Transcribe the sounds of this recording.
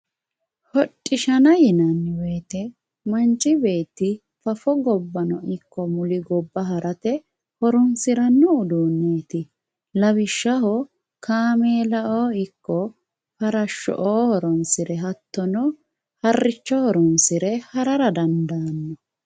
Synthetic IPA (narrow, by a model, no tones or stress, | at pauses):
hɔtʼːɪʃɐnɐjɪnɐnːɪweːt̪ɛ | mɐnt͡ʃʼːɪbe̞ːt̪ːɪ | fɐfɔɡɔbːɐnɔʔɪkːɔmʊlɪɡɔbːɐɦɐɾɐt̪ɛ | hɔɾɔnsɪɾɐnːɔːd̪uːnːeːt̪ɪ | lɐβɪʃːɐɦɔ | kʰaːmeːlɐʔoːɪkːɔ | fɐɾɐʃːɔ̰ʔoːhɔɾɔnsɪɾɛɦɐt̪ːɔnɔ | hɐrːɪt͡ʃːɔhɔɾɔnsɪɾɛhɐɾɐɾɐd̪ɐnd̪aːnːɔ